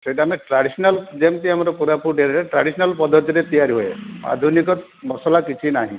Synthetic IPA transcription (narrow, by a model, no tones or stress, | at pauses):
sejʈaːmeʈɾaɽisɔnald͡ʒemkiamɔɾɔpuɾapʰuʈeɾiɾeʈɾaɽisɔnalpɔd̪ɔt̪iɾet̪ijaɾiɦoḛa̰d̪ʱunikɔ | mɔsɔlakit͡ʃʰinaɦḭ̃